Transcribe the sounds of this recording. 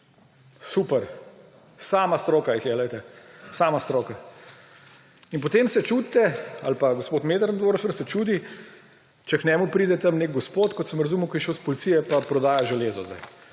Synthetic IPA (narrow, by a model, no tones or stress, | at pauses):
supɛɾ | saːmast̪ɾoːkaixjɛlɛjt̪ɛsamast̪ɾoːka | inpot̪eːmsɛt͡ʃut̪t̪ɛalpaɡospoːt̪meːd̪ɾnd̪ʋoːɾfəɾsɛt͡ʃuːd̪i | t͡ʃɛknʲɛːmupɾiːd̪ɛt̪amnek̚ɡɔspot̪kɔt̪sɐmɾɐzuːməkɔjɛʃowspolit̪sijɛpapɾɔd̪aːjaʒɛleːzɔzd̪a̰j